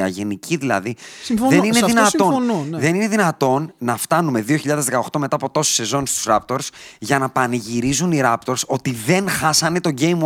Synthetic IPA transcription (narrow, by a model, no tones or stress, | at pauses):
ɐ̰ʝe̞nicʰiðilɐ̰ðiðenineðinɐt̪onðe̞nine̞ðinɐt̪o̞nːɐft̪ɐnume̞ðioçiʎɐðezðe̞kɐoxt̪o̞me̞t̪ɐːpo̞t̪o̞so̥se̞zo̞nst̪u̥sɾɐp̚t̪o̞ɾsʝɐnɐpɐniʝiɾizuniɾɐpt̪o̞ɾso̞t̪iðe̞nxɐsɐne̞t̪o̞ɟe̞jm